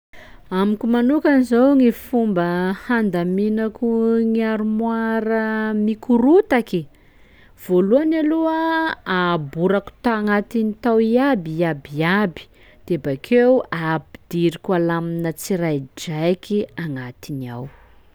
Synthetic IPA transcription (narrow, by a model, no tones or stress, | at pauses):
amikʲumanukanizawŋifumbəhand̪aminakuŋiaɾumwaɾəmikuɾut̪aki | v̥oluanaluaabuɾaku̥t̪aaŋat̪init̪awiabiabiabi̥ | d̪̥ebakʰeuabid̪iɾikʲualaminət͡siɾajd͡ʒajkiaŋat̪inia̰w